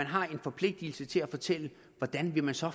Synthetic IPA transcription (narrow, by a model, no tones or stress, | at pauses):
ænɦɑ̈e̝nfɒ̽pʰle̝ɡ̥̚d̥il̩sət͡sʰe̝læfɒ̽t͡sʰel̰ə | ʋɒd̥ænʋe̝mænsɒ̽